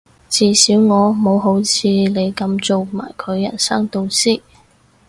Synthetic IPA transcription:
t͡siː˨˧siː˨˥wŋɔː˨˧mo˨˧wɦo˨˥wt͡sʰiː˨˧le˨˧jkɐ˧mt͡so˨wma̰ː˨˩jkʰɵ˨˧ɥjːɐ̰˨˩nsɐ˥ŋt̪o˧wsiː˥˩

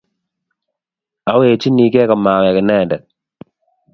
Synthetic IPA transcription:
a˨˦we˨t͡ʃi˦ni˨kɛ˦kɔ˨ma˨kɛ˨kɪ˨nɛ˦˨ndɛ˨

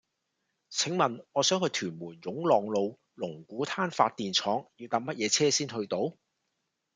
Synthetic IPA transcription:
t͡sʰɪ˨˥ŋmɐ˨˩nɔː˨˧sœː˨˥ŋhɵ˧ɥt̪ʰyː˨˩nmuː˨˩njʊ˨˥ŋlɔː˨ŋlo˨˧w | lʊ˨˩ŋkuː˨˥t̪ʰaː˥nfa̰ː˧t̚t̪iː˨nt͡sʰɔː˨˥ŋji˧wt̪aː˧˥p̚mɐ˥t̚jɛː˨˧t͡sʰɛː˥siː˥nɦɵ˧ɥt̪o˨˥w

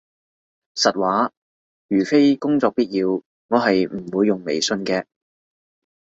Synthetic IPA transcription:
sɐ˨t̚waː˨˥ | jyː˨˩fe˥jkʊ˥ŋt͡sɔː˧k̚piː˥t̚jiː˧w | ŋɔː˨˧ɦɐ˨jm̩˨˩wuː˨˧jːʊ˨ŋme˨jsɵ˧nkɛː˧

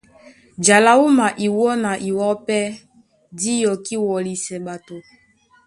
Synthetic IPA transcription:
d͡ʒa˨la˨u˦ma˨ʔi˨wɔ˦na˨ʔi˨wɔ˦pɛ˦ | di˦jɔ˨ki˦wɔ˨li˨sɛ˨ɓa˨to˨

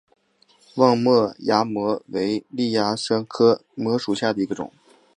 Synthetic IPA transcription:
wɑ˥˧ŋmɤ˥˩ja˥mwɔ˧˥we˧˥ɪli˥˩ja˥ʂa˥nkʰɤ˥mwɔ˧˥ʂu˨˩ɕja˥˩d̪ə˩i˧˥ɡə˧ʈ͡ʂʊ̰˨˩˦ŋ

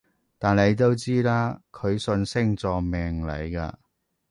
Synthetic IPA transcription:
t̪aː˨nle˨˧jt̪o˥wt͡siː˥laː˥kʰɵ˨˧ɥsɵ˧nsɪ˥ŋt͡sɔː˧mɛː˨˩ŋlɐ̰˨˧jka̰ː˧

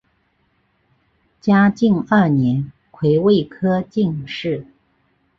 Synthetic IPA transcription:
t͡ɕja˥t͡ɕi˥˧ŋə˞˥˩njɛ˧˥n | kʰwe˧˥ɪwe˥˩ɪkʰɤ˥t͡ɕi˥˧ŋʂɻ̩˥˩

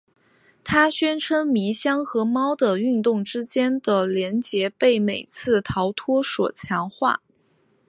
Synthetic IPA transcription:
t̪ʰa˥ɕɥɛ˥nʈ͡ʂʰə˥ŋmi˧˥ɕjɑ˥ŋxɤ˧˥mɑ˥ʊd̪ə˨y˥˧nt̪ʊ˥˩ŋʈ͡ʂɻ̩˥t͡ɕjɛ˥nd̪̥ə˨ljɛ˧˥nt͡ɕjɛ˧˥pe˥˩ɪme˨˩ɪt͡sʰɹ̩˥˩t̪ʰɑ˧˥ʊt̪ʰwɔ˥ʂwɔ̰˨˩t͡ɕʰjɑ˧˥ŋxwa̰˥˩

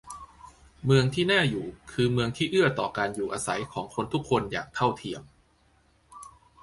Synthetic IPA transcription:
mɯ˧əŋt̪ʰiː˥˩naː˥˩juː˨˩kʰɯː˧mɯ˧əŋt̪ʰiː˥˩ʔɯ˥˩ɐt̪ɔː˨˩kaː˧njuː˨˩ʔaː˧sa˩˦jkʰɔː˩˦ŋkʰo˧nt̪ʰu˦˥kʰːo˧nja̰ː˨˩k̚t̪ʰa˥˩wt̪ʰi˧əm

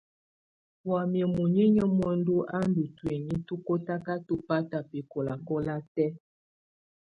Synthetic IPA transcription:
wa˨mjɛ˨mu˨ɲi˦ɲə˦mɔ˦n˦du˦ʔa˦n˦du˨twe˨ɲi˦tu˦ko˦ta˦ka˦tu˦pa˦ta˨pɛ˨kɔ˨la˨kɔ˦la˦tɛ˦

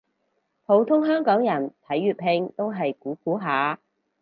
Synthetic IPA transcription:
pʰo˨˥wt̪ʰʊ˥ŋɦœː˥ŋkɔː˨˥ŋjɐ˨˩nt̪ʰɐ˨˥jːyː˨˧t̚pʰhɪ˧ŋt̪o˥wɦɐ˨jkuː˨˥kuː˨˥ɦaː˨˧

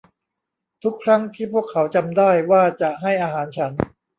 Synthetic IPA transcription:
t̪ʰu˦˥kʰːɾa˦˥ŋt̪ʰiː˥˩pʰu˥˩əkʰːa˩˦wt͡ɕa˧mdaː˥˩jwaː˥˩t͡ɕa˨˩ɦa˥˩jʔaː˧ɦaː˩˦nt͡ɕʰa˦˥n

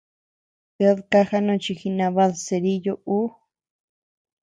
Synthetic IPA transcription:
pe˧˦ðka˦xa˦nũ˦˧t͡ʃi˧xi˧nã˧βa˧ðse˨˧ɾi˦jo˦ʔu˦

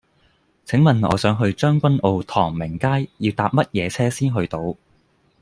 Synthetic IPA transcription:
t͡sʰɪ˨˥ŋmɐ˨nɔ̰ː˨˧sœː˨˧˥ŋɦɵ˧ɥt͡ʃœː˥ŋkʷɐ˥nʔo˧wt̪ʰɔː˨˩ŋmɪ˨˩ŋkaː˥jjiː˧wt̪aː˧p̚mɐ˥t̚jɛː˨˧t͡sʰɛː˥siː˥nɦɵ˧ɥt̪o˧w

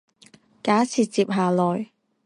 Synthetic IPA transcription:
kaː˨˥sʰiː˨t͡siː˧p̚ɦaː˨lɔː˨j

